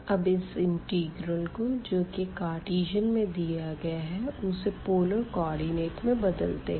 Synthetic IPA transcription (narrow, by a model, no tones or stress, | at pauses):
ɐbɪsɪ̃ɳʈiːɡɾəlkod͡ʒoːkekaːɾʈiːd͡ʒənmẽd̪ijaɡɐjaɦɛʊsepoːləɾkɔːɾɖineːʈmẽbɐd̪əlt̪eɦ